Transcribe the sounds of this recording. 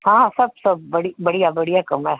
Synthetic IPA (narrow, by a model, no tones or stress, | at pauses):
hãːsɐb̚sɐb̚bɐɽibɐɽijabɐɽijakɐmɛ